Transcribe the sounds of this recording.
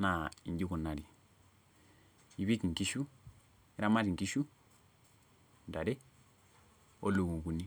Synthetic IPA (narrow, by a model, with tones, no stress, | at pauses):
na˨i˨ɲd͡ʒi˦ku˨nːa˨ɾi˨ | i˨βi˦kŋ̩˨ki˦ʃu˦ | i˦ɾa˦ma˦ɾi˨ŋki˦ʃu˦ | da˨ɾe˦ | o˦lu˨ŋu˨ku˨ni˦